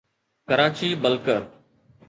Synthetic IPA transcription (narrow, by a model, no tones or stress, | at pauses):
kəɾaːt͡ʃiːbəlkəɾ